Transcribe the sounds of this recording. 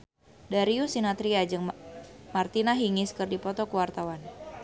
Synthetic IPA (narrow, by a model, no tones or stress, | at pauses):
daɾiusinat̪ɾiad͡ʒɨŋmart̪inaɦiŋɪskɨrdipɔt̪ɔkuwart̪awan